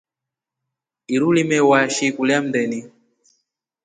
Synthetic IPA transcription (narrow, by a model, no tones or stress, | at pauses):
iɾulimɛwaʃikuljam̩dɛni